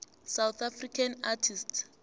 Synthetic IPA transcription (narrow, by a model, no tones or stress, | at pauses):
sawt̪ʰafrikʰanatʰistʰ